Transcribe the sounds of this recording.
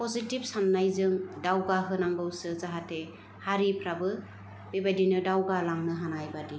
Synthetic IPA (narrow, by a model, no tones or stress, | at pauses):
pɔzitib̚sanːajzɯŋdawɡaɦɯnaŋɡɯwsɯzaɦate | haɾipʰɾabɯ | bebajdinɯdawɡalaŋnɯɦanajbadi